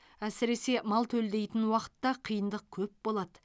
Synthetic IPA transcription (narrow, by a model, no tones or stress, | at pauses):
æsɪɾe̞se̞mɑlˠt̪ʰɵld̪e̞jt̪ɪnwɑqə̥t̪ːɑqʰijənd̪əq̚kʲʰɵpbo̞lˠɑd̪ə